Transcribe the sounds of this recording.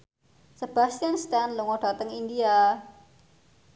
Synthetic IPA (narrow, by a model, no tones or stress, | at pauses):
səb̥a̤st̪ianst̪anluŋɔɖ̥a̤t̪əŋind̪ia